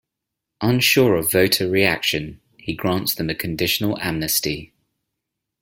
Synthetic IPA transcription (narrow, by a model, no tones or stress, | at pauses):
ʔʌ̃nʃɔːɹəvəʊtʰəɹia̰kʃə̃n | hiɡɹɑ̃ˑntsðə̃məkʰə̃ndɪʃənəlamnəsti